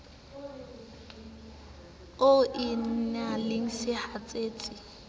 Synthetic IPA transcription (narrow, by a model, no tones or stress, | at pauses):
oʔɪn̩nalɪŋ̩sɪhat͡sʼeːt͡sʼɪ